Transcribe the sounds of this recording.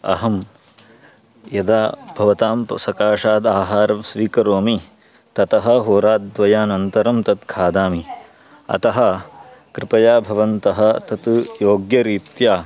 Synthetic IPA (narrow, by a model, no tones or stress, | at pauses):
ɐ̰ɦɐm | jɐd̪aːbʱɐʋɐt̪aːmpɐsɐkaːʂaːd̪aːɦaːɾɐsʋiːkɐɾoːmi | t̪ɐt̪ɐɦɐ̆ɦoːɾaːd̪̚d̪ʋɐjaːnɐnt̪ɐɾɐmt̪ɐt̪kʰaːd̪aːmi | ɐ̰t̪ɐɦɐ̆kɾɪpɐjaːbʱɐʋɐnt̪ɐɦɐ̆t̪ɐt̪joːɡjɐɾiːt̪jaː